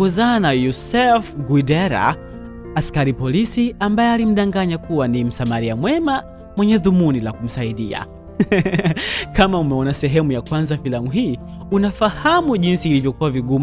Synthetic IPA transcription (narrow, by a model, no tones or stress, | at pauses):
ɡɔzanajusɛfɡuidɛɾa̰ | askaɾipɔlisiambajɛalim̩ɗaŋɡaɲakuwanim̩samaɾiamwɛma | mwɛɲɛðumunilakum̩saiɗia̰ | kamaumɛɔnasɛɦɛmujakwanzafilamuɦiː | unafahamuʄinsiːlivjɔkuwaviɠum